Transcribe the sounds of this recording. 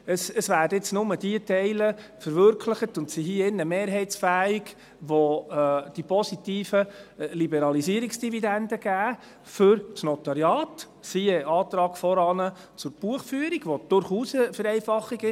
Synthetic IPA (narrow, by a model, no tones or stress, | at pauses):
əsəsʋæːdəɪt͡snʊməd̥iətɛɪləfəɾʋøɾkʰləχətʊntsiɦiəɪnːəmeːɾɦɛɪt͡sfæːiɡ | ʋod̥ipɔsitiːfəlibɛɾɑlisiəɾiksd̥ividændəɡ̥æː | fʏɾsnɔtɑɾjɑːt | siɛʔɑːt̪ɾɑːɡ̥fɔɾɑːnə | t͡sʊɾb̥uəχfyːəɾiɡ̥ʋod̥ʊɾχuːsfəɾɛɪfɑχːiɡɪ